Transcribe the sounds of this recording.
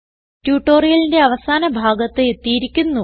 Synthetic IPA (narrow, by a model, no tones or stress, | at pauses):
tjuːʈːo̞ːrijɐlinde̞ɐʋɐsaːnɐbʱaːɡɐt̪ːeet̪ːijiɾikʲːunːu